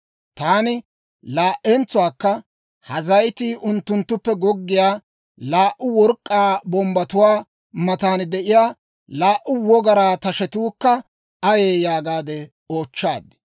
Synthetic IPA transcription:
t̪aːnɪ | laːʔːɛnt͡sːʊwaːkːɐ | hɐzɐjt̪iːʔʊnt̪ːʊnt̪ːʊpːɛɡɔɡːɪjaː | laːʔʊwɔɾkʼːaːbɔmbɐt̪ʊwaː | mɐt̪aːnd̪ɛʔɪjaː | laːʔʊwɔɡɐɾaːt̪ɐʃɛt̪uːkːɐ | ɐjeːjaːɡaːd̪ɛ | o̞ːt͡ʃːa̰ːd̪ɪ̥

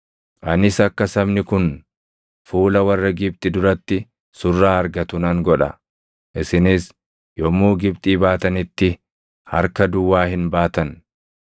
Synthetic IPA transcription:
ʔɐnɪsɐkːɐsɐbnɪkʊn | fuːlɐwɐrːɐɡɪb̚t̪ʼɪd̪ʊɾɐt̪ːɪ | sʊrːaːɐɾɡɐt̪ʊnɐŋɡɔᶑɐ̰ | ʔɪsɪnɪs | jɔmːuːɡɪbt̪ʼiːbaːt̪ɐnɪt̪ːɪ | hɐ̰ɾkɐd̪ʊwːaːhɪnbaːt̪ɐn

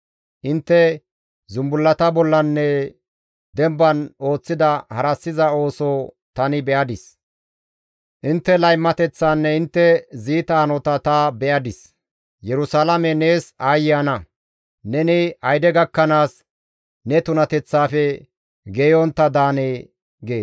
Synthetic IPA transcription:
ʔɪnt̪ːɛ | zʊmbʊlːɐt̪ɐbɔlːɐnːɛ | d̪ɛmbɐno̞ːt͡sːɪd̪ɐhɐɾɐsːɪzɐo̞ːso | t̪ɐnɪbɛʔɐd̪ɪs | ʔɪnt̪ːɛlɐjmːɐt̪ɛt͡sːanːɛɪnt̪ːɛziːt̪aːnɔt̪ɐt̪ɐbɛʔɐd̪ɪs | jɛɾʊsalɐmɛne̞ːsaːjɪanɐ | nɛnɪɐjd̪ɛɡɐkːɐnaːs | nɛt̪ʊnɐt̪ɛt͡sːaːfɛ | ɡeːjɔnt̪ːɐd̪aːneː | ɡe̞ːs

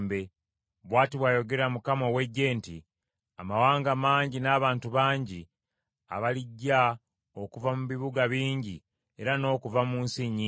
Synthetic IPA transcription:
mbe | βwaːtiβwajo̞ɡe̞ɾamukamo̞we̞ɟːe̞ːnti | amawaːŋɡamaːɲɟinaːβaːntuβaːɲɟi | a̰βaliɟːa | o̞kuvamuβiβuɡaβiːɲɟi | e̞ɾano̞ːkuvamuːnsiɲi

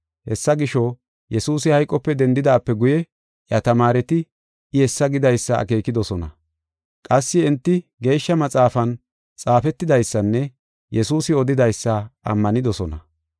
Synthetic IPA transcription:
hɛsːɐɡɪʃɔ | jɛsuːsɪhɐjkʼːɔpːɛd̪ɛnd̪ɪd̪aːpːɛɡʊjɛ | ʔjɐt̪ɐmaːɾɛt̪ɪ | ʔɪhɛsːɐɡɪd̪ɐjsːɐɐ̰ke̞ːkɪd̪ɔsɔnɐ | kʼɐsːɪɪnt̪ːɪɡe̞ːʃːɐmɐt͡sʼaːfɐn | t͡sʼaːfɛt̪ːɪd̪ɐjsːɐnːɛ | jɛsuːsɪɔd̪ɪd̪ɐjsːɐɐ̰mːɐnɪd̪ɔsɔnɐ

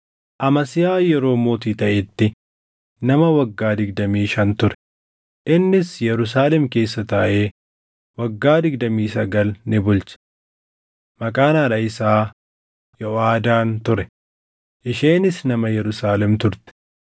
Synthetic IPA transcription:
ʔɐmɐsɪjaːjɛɾo̞ːmo̞ːt̪iːt̪ɐʔɪt̪ːɪ | nɐmɐwɐɡːaːd̪ɪɡd̪ɐmiːʃɐnt̪ʊɾɛ̥ | ʔɪnːɪsjɛɾʊs̬aːlɛmke̞ːsːɐt̪ɐːʔe̞ː | wɐɡːaːd̪ɪɡ̚d̪ɐmiːsɐɡɐlnɪbʊlt͡ʃɐ̥ | mɐkʼaːnaːɾɐɪsaː | jɔʔaːd̪aːnt̪ʊɾɛ | ʔɪʃeːnɪsnɐmɐjɛɾʊsaːlɛmt̪ʊɾt̪ɛ̥

